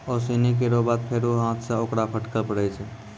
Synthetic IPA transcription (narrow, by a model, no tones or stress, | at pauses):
ɔːsiːnik̬eɾobaːt̪̚pʰeɾuɦãːt̪ʰseoːkɽapʰəʈkəlpəɽɛt͡ʃʰɛ